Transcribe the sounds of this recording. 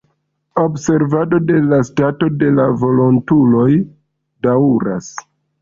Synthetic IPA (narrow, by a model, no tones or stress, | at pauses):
o̞bse̞ɾvado̞de̞lastato̞de̞lavo̞lo̞ntulo̞j | daɾa̰s